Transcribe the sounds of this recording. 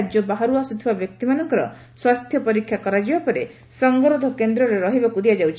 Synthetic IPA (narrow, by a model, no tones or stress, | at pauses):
d͡ʒjɔbaɦaɾuasut̪ʰibabjɔk̚t̪imanɔŋkɔɾɔ̰ | swast̪ʰjɔpɔɾikʰːjakɔɾad͡ʒibapɔɾe | sɔŋɡɔɾɔd̪ʱɔkend̪ɾɔɾeɾɔɦibakud̪ijad͡ʒawt͡ʃʰ